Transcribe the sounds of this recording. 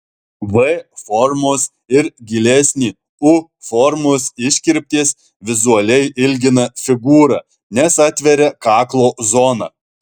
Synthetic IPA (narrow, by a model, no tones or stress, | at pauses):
ʋɛfɔɾmoːs | ɪɾɡʲɪlʲɛsʲnʲiː | ʊ | fɔɾmoːsɪʃʲkʲɪɾʲpʲt̪ʲeːs | ʋʲɪzʊɐlʲɛɪʔɪlʲɡʲɪnɐfʲɪɡuːɾɐ | nʲɛsɑt̪ʲʋʲɛɾʲɛkɑːklˠoːzɔːnɐ